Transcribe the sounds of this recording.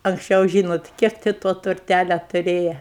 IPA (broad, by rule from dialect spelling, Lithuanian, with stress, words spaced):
ɐŋksʲˈt͡ʃʲɛʊ ˈʒʲiːnoːt ˈkʲiɛk tʲɪ toː tʊrʲˈtʲælʲɛ tʊˈrʲeːjɛ